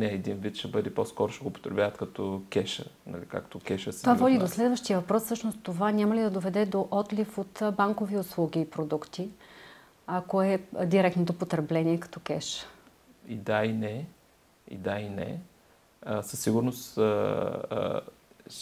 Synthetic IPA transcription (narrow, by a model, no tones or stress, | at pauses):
nɛɛd̪invit̪ʃɛbɤd̪ɛpɔskɔɾʊʃt̪ɛɡopo̥t̪ɾɛbʲjavət̪kɐt̪ɔkʲɛʃə̰nɐ̰lika̰kt̪okʲɛʃəst̪ovavɔd̪id̪oslɛd̪vəʃt̪ijəvɐpɾɔsːɤʃnost̪ovanʲamɐlid̪ɐd̪ovɛd̪ɛd̪oʔɔt̪lifot̪baŋkoviʊslˠuɡ̟ʲiːpɾod̪ukt̪i | akoɛd̪iɾɛk̚t̪not̪opot̪ɾɛblɛnʲiɛkɐ̥t̪ɔkɛʃə̥ | ḭd̪ainɛ | ḭd̪ainɛ̰ | əsəsːiɡʊɾnos